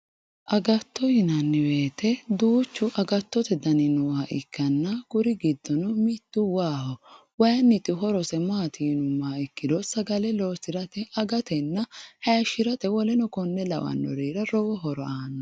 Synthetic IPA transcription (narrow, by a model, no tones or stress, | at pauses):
ʔɐɡɐt̪ːɔhɪnɐnːɪwe̞ːt̪ɛd̪uːt͡ʃːʊʔɐɡɐt̪ːɔt̪ɛd̪ɐnɪnʊɐʔɪkːɐnːɐɡʊɾɪɡɪd̪ːɔnʊmɪt̪ːʊwaːhɔ | wɐjɐnːɪt̪ʼːɪɦɔɾɔsɛmaːt̪ʰiːnʊmːaːɪkːɪd̪ɔsɐɡɐlɛloːsɪɾɐt̪ɛɐɡɐt̪ɛnːɐhɐjɐʃɪɾɐt̪ɛwɔlɛnɔkɔnːɛlɐ̰wɐ̰nːɔ̰ɾiːɾɐɾɔwɔɦɔɾɔʔaːnːɔ